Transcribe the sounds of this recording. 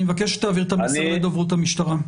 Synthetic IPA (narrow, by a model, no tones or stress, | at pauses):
mevakeʃe̥t̪aːviʁt̪amised̪ovʁut̪amiʃt̪aʁa